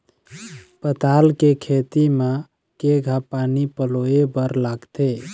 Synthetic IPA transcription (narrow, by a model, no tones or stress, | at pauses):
pət̪alkekʰet̪ima | keɡʱapanipəloebəɾlaɡt̪e